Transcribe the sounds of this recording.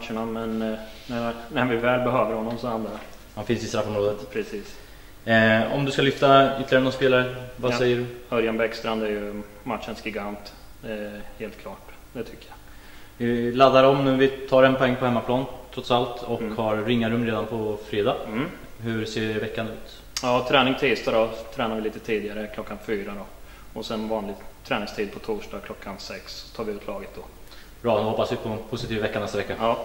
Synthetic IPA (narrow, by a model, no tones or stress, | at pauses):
mat̪ʂəɳamɛnnænæɾvɪvɛːlbɛɦøːvəɾhɔnːɔmsɔhand̪aa | hanfɪnsɪst̪ɾafɔmɾoːd̪ət̪pʰɾɛsiːs | ɔmd̪ɵskalʏft̪aʏt̪ːlɪjaɾənɔnspeːlaɾəvasɛjːəɖɵhœɾjanbɛkst̪ɾand̪æɾjɵ | mat̪ʂənsɡɪɡant̪ | heːlt̪kʰlɑːʈ | d̪ɛt̪ʰʏkːəja | vɪlad̪ːaɾɔmnʉːvɪt̪ʰɑːɾɛnpʰɔɛŋːpʰɔhɛmːapʰlɑːnt̪ʰɾɔt̪salt̪ɔkhaɾːɪŋːaɾɵmːɾeːd̪anpʰɔfɾeːd̪ɑː | hɵɾseːɾvɛkːanʉ̟ːt̪ | jɑːt̪ʰɾɛːnɪŋt̪ʰiːst̪ad̪ɔt̪ʰɾɛːnaɾvɪliːt̪ət̪ʰiːd̪ɪɡaɾəkʰlɔkːanfyːɾad̪ɔ | ɔsɛnvɑːnlɪɡt̪ʰɾɛːnɪŋst̪ʰiːd̪̚pʰɔt̪ʰuːʂɖɑːɡkʰlɔkʰːansɛksɔ̥t̪ʰɑːɾvɪʉːt̪ʰlɑːɡət̪̚d̪ɔ | b̥ɾɑːnɔhɔpːasvɪpʰɔpʰʊsɪt̪iːvavɛkːanɛst̪avɛkːaɑː